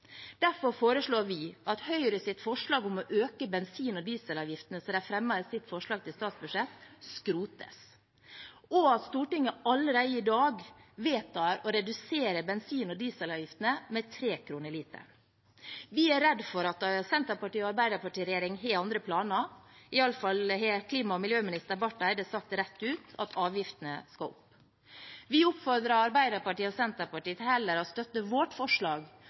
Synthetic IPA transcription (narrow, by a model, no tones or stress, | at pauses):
d̪̥æɾfɔɾfoːɾəʂɭoːɾʋɪɑt̪hœʏɾəsɪt̪fɔʂɭɑːɡʊmɔʔøːkəbɛnsiːnɔd̪iːsəlɑːʋjɪft̪ənəsɔd̪ɛæfɾɛmːɑəsɪt̪ːfɔʂɭɑːɡt̪ɪlst̪ɑːt̪sbʉʂɛt̪skɾuːt̪ə̰s | ɔɑt̪st̪uːʈɪŋːəɑləɾæɪəɪd̪ɑːɡʋeːt̪ʰɑːɾɔɾɛd̪ʉseːɾəbɛnsiːnɔd̪iːsəlɑːʋjɪft̪ənəmɛt̪ʰɾeːkʰɾuːnəɾɭiːt̪ə̰ | ʋɪæɾɛd̪fɔɾɑt̪sɛnt̪əɾpɑʈiːɔɑɾbæɪd̪əɾpɑʈiːɾɛjeːɾɪŋɦeːɑnd̪ɾəpʰlɑːnəɪɑləfɑlhekʰliːmɑɔmɪljøːmɪnɪst̪əɾbɑʈːæɪd̪əsɑk̚t̪ɾɛt̪ːʉːt̪ɑt̪ʰɑːʋjɪft̪ənəskɑʊ̰pː | ʋɪʊpfɔɾd̪ɾɑɑɾbæɪd̪əɾpɑʈiːɔsɛnt̪əɾpɑʈiːət̪hɛlːəɾɔst̪œt̪ːəʋɔʈfɔʂɭɑːɡ